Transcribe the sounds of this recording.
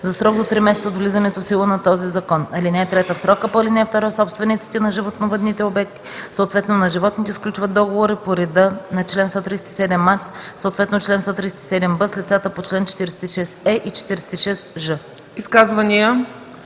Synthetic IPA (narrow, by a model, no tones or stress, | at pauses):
zɐsɾɔɡd̪ot̪ɾimɛsɛt̪səot̪vlizɐnɛt̪ofsilˠənɐt̪ɔzizɐkɔnɐlinɛɛt̪ɾɛt̪əfsɾɔkəpoɐlinɛɛft̪ɔɾasɔpst̪vɛnit̪si̥t̪ɛnɐʒivot̪novəd̪nit̪ɛobɛk̚t̪i̥soot̪vɛt̪nonɐʒivɔt̪nit̪ɛsklʲut͡ʃvət̪ːɔɡovoɾipoɾɛd̪ənɐt͡ʃlɛnst̪ɔt̪ɾisɛt̪isɛd̪ɛmːat͡ʃsot̪vɛt̪not͡ʃlɛnst̪ɔt̪ɾisɛ̥t̪i̥sɛd̪ɛmbəslit̪sat̪əpot͡ʃlɛnt͡ʃɛ̥t̪iɾɛsɛt̪iʃɛsɛʔit͡ʃɛ̥t̪iɾɛsɛ̥t̪iʃɛsʒɤ | iskazvɐnijə